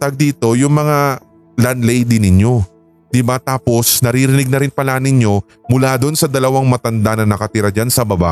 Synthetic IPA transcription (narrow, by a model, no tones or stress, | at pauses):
t̪ɐɡ̚d̪iːt̪o̞jʊŋmɐŋa | lɐnlɛjd̪ɪnɪɲjo̞ | d̪̥ɪbat̪aːpo̞snɐɾiɾɪnɪɡ̚nɐɾɪnpɐlanɪɲjo̞ | mʊlaːd̪o̞nsɐd̪ɐlɐwaŋmɐt̪ɐnd̪anɐnɐkɐt̪ɪɾɐd͡ʒansɐbɐba̰ʔ